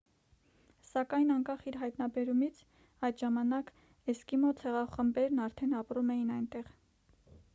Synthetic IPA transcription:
sɑkɑjnɑŋkɑχiɾɦɑjt̪nɑbɛɾumit͡sʰ | ɑjt̪ʒɑmɑnɑk | ɛskimɔt̪ʰɛʁɑχəmbɛɾnɑɾt̪ʰɛnɑpɾumɛjinɑjnt̪ɛʁ

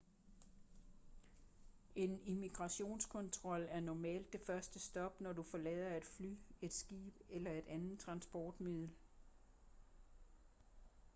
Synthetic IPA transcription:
e̝nimiɡ̥ʁɑ̈ɕo̝̰ːnskʰɔ̽nt͡sʰʁɒ̽l̰æɐnɒmɛ̰ːld̥ːe̝fɶɐsd̥əsd̥ɒ̽b̥nɒdufɒ̽lɛ̰ːðˠɐe̝d̥fly̰ːe̝d̥sɡ̥ḭːb̥elɐe̝d̥ænð̩ˠt͡sʰʁɑ̈nsb̥ɒːd̥mið̰ˠl̩

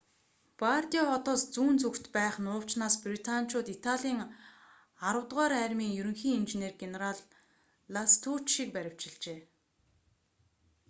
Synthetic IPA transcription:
part̪iɔχɔt̪ɔːst͡suːnt͡sukt̪pæːχnʊːw̥t͡ɕnaːsprit̪ʰanʲt͡ɕʊːt̪it̪ʰaɮʲiːŋ | aɾə̆wt̪ʁaːɾæːɾʲmiːŋjɵɾɵ̆ŋxiːŋint͡ɕeneːrɡeneɾaɮː | ast̪ʰuːt͡ɕʃik̚pæɾʲɪ̆w̥t͡ɕɪ̆ɮt͡ɕeː

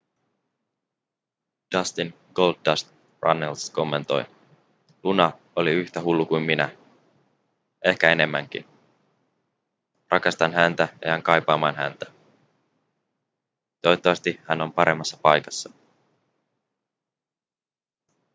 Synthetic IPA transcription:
d̥ɑst̪in | ɡ̥o̞ld̪dɑst̪ | rɑ̰nelsko̞mːe̞nt̪o̞̰j | lunɑ | oliyçt̪æɦulːukujmminæ̰ | ʔe̞hkæe̞ne̞mːæŋk̟ḭn | rʔɑkɑst̪ɑnɦænt̪æjḛjæŋkɑjpɑːmɑːnɦæ̰nt̪æ̥ | d̪̥o̞jt̪ːɑʋɑst̪ihæno̞mpɑɾe̞mːɑsːɑpɑjkɑsːɑ

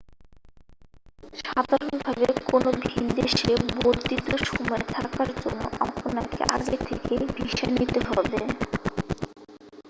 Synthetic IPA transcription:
ʃad̪ʱaɾonbʱabekonobʱind̪eʃeboɾt̪it̪oʃɔmɔet̪ʰakaɾd͡ʑo̰nːo̰ɔpʰonakḛʔaɡet̪ʰekebʱiʃanit̪eɦɔbe

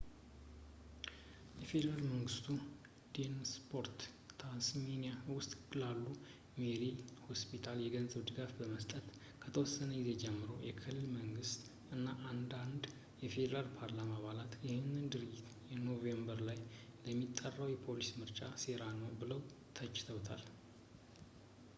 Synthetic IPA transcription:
jɛfe̞d̪əɾalməŋɡɨst̪ʰu | d̪̥enspʰo̞ɾt̪ | t̪ʰansmenijawʊst̪ʼkɨlalːu | meɾiho̞spʰit̪ʰaljɛɡənzəβd̪ɨɡafbəməst̪ʼət̪ | kʰət̪ʰəwɔsːənəɡize̞d͡ʒɛmːɨɾowjɛkʰɨlːɨlməŋɡɨst̪ʼ | ʔɨnːaʔand̪and̪ | jɛfe̞d̪əɾalpʰaɾlamaβalat̪jɪhɪnːɨnd̪ɨɾɨd͡ʒːit̪jɛno̞vembəɾlajləmːit̪ʼːərːəwjɛpʰo̞lismɨɾt͡ʃʼase̞ɾanəwbɨləw | t̪ʰət͡ʃʼːɪ̥t̪ʰəwt̪ʰa̰l

